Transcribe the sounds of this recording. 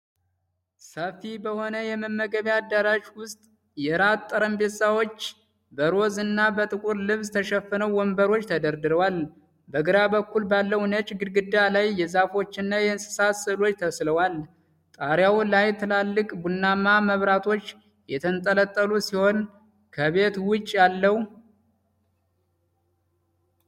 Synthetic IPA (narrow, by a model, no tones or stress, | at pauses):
səfibəho̞nəjɛməmːəɡəβjad̪ːaɾaʒwʊst̪ʼ | jɛɾat̪ʼːəɾəmbe̞t̪sawo̞t͡ʃː | bəɾo̞zɨnːabət̪ʼɨkʼuɾlɨβst̪ʰəʃɛfənəwwɔmbəɾo̞t͡ʃːt̪ʰəd̪əɾd̪ɨɾəwal | bəɡɨɾabəkːulbalːəwnət͡ʃʼɡɨd̪ɡɨd̪ːalajːɛzafo̞t͡ʃːɪnːajɛnsɨ̥sat̪sɨlo̞t͡ʃːt̪ʰəsləwal | t̪ʼaɾjawlajt̪ʰɨlalːɨkʼbunːamaməβɾat̪ʰo̞t͡ʃː | jɛt̪ʰənt̪ʼələt̪ʼːəlusiho̞n | kʰəβe̞t̪wʊt͡ʃʼːjalːəh